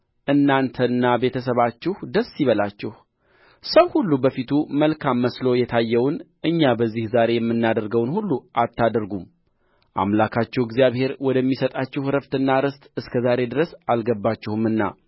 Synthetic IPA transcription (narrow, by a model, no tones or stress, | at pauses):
ʔɨnːant̪ʰənːabe̞t̪ʰəs̬əβat͡ʃːɪhd̪əsːiβəlat͡ʃːɪh | səwhulːubəfit̪ʰuməlkʰamːəslo̞jɛt̪ʰajːɛwnʔɨɲːabəzːihzaɾe̞jɛmːɨnːad̪əɾɡəwnhulːuʔat̪ʰːad̪ɾɡum | ʔa̰mlakʰat͡ʃːɛwɪɡzijaβhe̞ɾwɔd̪əmːisət̪ʼat͡ʃːɛhɾəft̪ɨnːaɾɨst̪ʼɨskʰəzaɾe̞d̪ɨɾəsalɡəbːat͡ʃːɪhumɨnːa̰